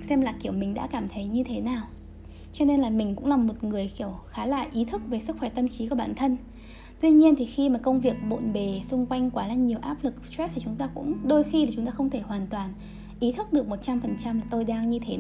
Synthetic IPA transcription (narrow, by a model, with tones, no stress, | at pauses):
sɛ˧mlaː˨˩ki˧˩əwmï˨˩ŋ̟ɗa̰ː˧˥kaː˧˩mt̪ʰə˨˦jɲɨ˧t̪ʰe˨˦naː˨˩w | t͡ɕɔ˧ne˧nlaː˨˩mï˨˩ŋ̟kʊ̰˧˥ŋ͡mlaː˨˩mo˨˩t̚ŋɨ˨˩əjki˧˩əwxaː˨˦la̰ː˧˨˩jʔi˨˦t̪ʰɨ˦˥k̚ve˨˩sɨ˦˥k̚xwɛ˧˩t̪ə˧mt͡ɕi˨˦ku˧˩ɓaː˧˩nt̪ʰə˧n | t̪wi˧ɲi˧ənt̪ʰi˨˩xi˧maː˨˩kə˧wŋ͡mvi˨˩ək̚ɓo̰˧˨nɓe˨˩sʊ˧ŋ͡mkwa˧jŋ̟kwaː˨˦laː˧˩ɲi˨˩əwʔaː˦˥p̚lɨ˨˩k̚st̪wɛ˦˥t̪ʰi˨˩t͡ɕʊ˨˦ŋ͡mt̪aː˧kʊ̰˧˥ŋ͡mɗo˧jxi˧ɗe˨˩t͡ɕʊ˨˦ŋ͡mt̪aː˧xə˧wŋ͡mt̪ʰe˧˩hwaː˨˩nt̪waː˨˩n | ʔi˨˦t̪ʰɨ˦˥k̚ɗɨ˨˩ək̚mo˨˩t̚t͡ɕa˧mfə˨˩nt͡ɕa˧mlaː˨˩t̪o˧jɗaː˧ŋɲɨ˧t̪ʰe˨˦